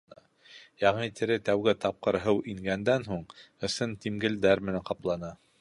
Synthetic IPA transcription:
jɑʁnit̪ɘ̆ɾɘt̪æwɡɘt̪ɑp̚qɤɾɦɤwʔiŋɡænd̪ænɦuɴ | ɤ̆sɤnt̪imɡɘ̆ld̪æɾmɘ̆næŋqɑplˠɑnɑ

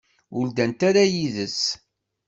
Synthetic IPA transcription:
ʊld̪ænt̪aɾajiðəs

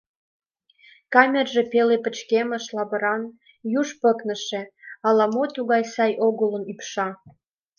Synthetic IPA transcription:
kɑmʲerʒepelepə̆t͡ɕkemə̆ʃlɑβə̆ɾɑn | juʃpə̆knə̆ʃĕɑlɑmot̪uɣɑjsɑjʔoɣələnypʃɑ

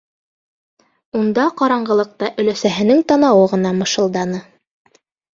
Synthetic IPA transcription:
und̪ɑqɑɾɑɴɢɤ̆lˠɤ̆q̚t̪ɑʔɵ̆læsæɦɘ̆nɘŋt̪ɑnɑwɤʁɤ̆nɑmɤ̆ʃɤ̆lˠd̪ɑnɤ

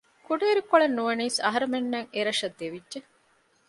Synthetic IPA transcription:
kuɖeːɾikoɭenːuʋeniːsɐ̰ɦɐɾemenːɐŋeɾɐʃɐd̪ːeʋidʒe

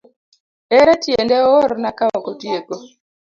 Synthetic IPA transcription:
ɛɾɛtjendɛoɾnakawɔkotjeko

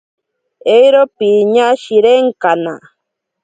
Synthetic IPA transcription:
ejɾopiɲaʃiɾeŋkana̰

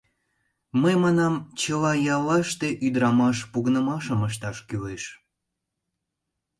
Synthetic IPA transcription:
məjmɑnɑmt͡ɕəlɑjɑlɑʃt̪eʔyd̪ɾɑmɑʃpuɣənəmɑʃəməʃ̬t̪ɑʃkyleʃ

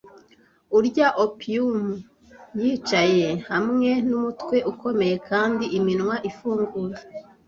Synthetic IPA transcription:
uɾɟaʔopiumu | jiːt͡ʃaje̞hamŋe̞numutwe̞ʔuko̞me̞je̞kʰaːndiʔiminŋwaʔifuːŋɡuːje

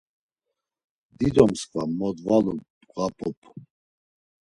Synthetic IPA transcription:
d̪id̪ɔmskʰʼvamɔd̪valu | ɡapʰʼɔpʰʼ

